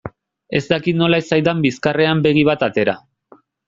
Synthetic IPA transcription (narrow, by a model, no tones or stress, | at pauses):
e̞zd̪akit̪no̞laesajd̪ambiskare̞ambe̞ɣiβ̞at̪at̪e̞ɾa